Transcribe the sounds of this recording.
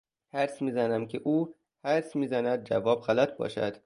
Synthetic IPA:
hæɾsmiːzænæmkʰeʔuː | hæɾsmiːzænæd̪̚d͡ʒæ̰vɒːbɣælæt̪̚ʰbɒ̰ːʃæ̰d̪̥

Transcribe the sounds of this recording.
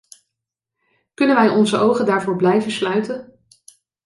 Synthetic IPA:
kɵnənʋɛjɔnzəʔowχəndaːɹvʊːɹblɛjvənslœɥtən

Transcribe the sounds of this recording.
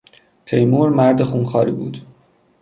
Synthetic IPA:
t̪ʰejmuːɾmæɾd̪e̞xuːnxɒːɾḭːbuːd̪

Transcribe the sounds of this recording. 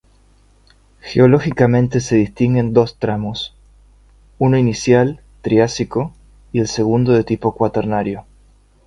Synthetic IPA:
xḛolo̞xikamẽ̞nt̪e̞se̞ðist̪iŋɡe̞nd̪o̞st̪ɾamo̞s | uno̞inisjal | t̪ɾiasiko̞ | ie̞lse̞ɣund̪oðe̞t̪ipo̞kwat̪eɾnaɾjo

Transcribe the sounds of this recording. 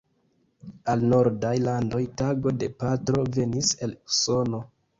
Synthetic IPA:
alno̞ɾdajlando̞jtaɡo̞de̞patɾo̞ve̞nise̞luso̞no̞

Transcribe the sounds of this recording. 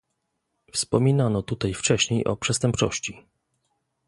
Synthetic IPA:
fspɔmʲinanɔt̪ut̪ajft͡ʂɛɕɲejʔɔ̰pʂɛst̪ɛmpt͡ʂɔ̰ɕt͡ɕi

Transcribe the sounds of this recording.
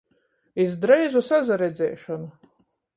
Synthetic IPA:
izd̪ɾɛjzusazaɾɛd̪zɛ̰ːʃɔnu

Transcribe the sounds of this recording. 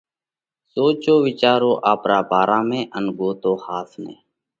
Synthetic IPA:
soːt͡ʃoːʋɪt͡ʃaːɾoːʔaːpɾaːbʱaːɾaːmẽːʔənɡoːt̪oːhaːt̪ʰnḛ̃ː

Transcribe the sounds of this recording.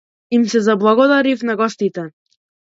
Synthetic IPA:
imsɛzablˠaɡɔd̪aɾifnaɡɔst̪it̪ɛ

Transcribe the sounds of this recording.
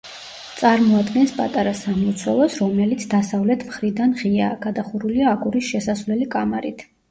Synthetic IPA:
t̪sʼaɾmɔad̪ɡɛnspʼa̰t̪ʼaɾasamɔt̪sʰwɛlˠɔsɾɔmɛlit̪sʰd̪asavlɛt̪ʰmχɾid̪anʁia̰ːɡ̥ad̪aχuɾuliaːkʰʼuɾisʃɛsasvlɛlikʼamaɾit̪ʰ

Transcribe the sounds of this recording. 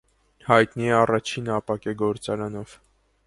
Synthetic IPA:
hɑjt̪niɛɑrɑt͡ʃʰinɑpɑkɛɡɔɾt͡sɑɾɑnɔv̥

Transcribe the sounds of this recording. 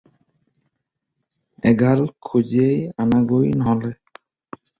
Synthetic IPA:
ɛɡʱalkʰuziejanaɡojnɔɦɔlɛ

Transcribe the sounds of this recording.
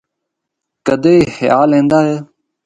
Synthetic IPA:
kəd̪eːiːxɪja̰ːlẽːnd̪aːɦeː

